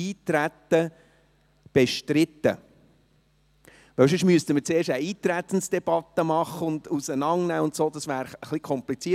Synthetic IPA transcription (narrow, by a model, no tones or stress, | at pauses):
iːt̪ɾæt̪ːə | b̥ɛʃtɾɪt̪ːə̰ | ʋɛwsʏʃmyəst̪əməɾt͡seːɾʃtəiːt̪ɾæt̪ən̩sd̥ɛb̥ɑt̪ːəmɑχəʊnd̪usənɑŋnæːʊnt̪soːd̪ɑsvæːɾəχlikʰɔmplit͡siː